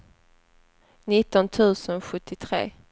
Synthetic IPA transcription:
nɪt̪ːɔnt̪ʰʉ̟ːsənɧɵt̪ʰːɪt̪ʰɾḛː

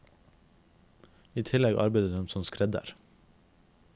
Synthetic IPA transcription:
iːt̪ʰɪlɛɡɑ̰ɾbæɪd̪əd̪ɛmsɔmskɾɛd̪ə̰ɾ

